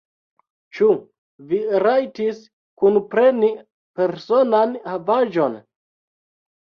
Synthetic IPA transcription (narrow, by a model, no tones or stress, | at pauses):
t͡ʃu | viɾajtis | kunpɾe̞ni | pe̞ɾso̞nanhavaʒo̞n